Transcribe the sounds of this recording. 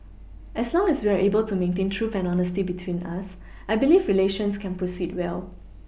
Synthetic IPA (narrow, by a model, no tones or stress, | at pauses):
ʔɛslɔ̃ŋɛswiaʔebəltumẽntẽntʰɹufɛ̃nɔnəstibitʰwĩnas | ʔaɪbilifɹileʃə̃nskʰɛ̃npʰɹosid̚wɛl